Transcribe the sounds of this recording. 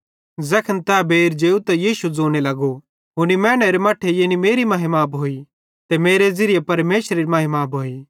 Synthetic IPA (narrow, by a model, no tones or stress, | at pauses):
zɐkʰənt̪ɛbeːɾd͡ʒeːut̪ɐjiːsud͡zoːñelɐɡo | ɦʊnimɛ̃ːɽ̃eɾemɐːʈʰejeːnimeːɾimɐɦɪmaːpɦoːi | t̪emeːɾezɪɾɪjepɐɾmeːʃɾeɾimɐɦɪmaːbɦoːiː